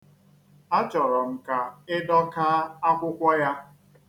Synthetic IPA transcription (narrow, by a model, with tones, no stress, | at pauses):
a˦t͡ʃɔ˨ɾɔ˨m̩˨ka˨ɪ˦dɔ˦ka˦a˦kʷʊ˦kʷɔ˦ja˦